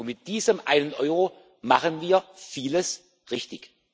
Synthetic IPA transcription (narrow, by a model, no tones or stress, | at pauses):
nmɪt̚d̥iːzəmʔa̰ɪnənʔɔʏʁo | maχənviːɐfiːləs | ʁɪçtɪç